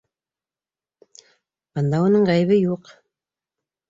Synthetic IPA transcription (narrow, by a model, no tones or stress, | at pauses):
b̥ɤ̆nd̪ɑunɤɴʁæjβɘjuq